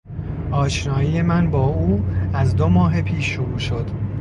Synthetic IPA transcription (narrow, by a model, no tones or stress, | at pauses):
ʔɒːʃnɒːjijemænbɒːuːæzd̪omɒːɦepʰiːʃːoɾuːʃo̞d̪̥